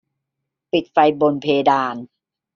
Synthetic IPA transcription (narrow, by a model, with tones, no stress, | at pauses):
pi˨˩t̪̚fa˧jbo˧npʰeː˧daː˧n